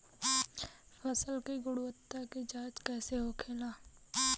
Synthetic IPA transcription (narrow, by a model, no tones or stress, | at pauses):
fʰəsəlkiɡʊɽwət̪ːakid͡ʒaːt͡ʃkɛːseɦokʰeːlaː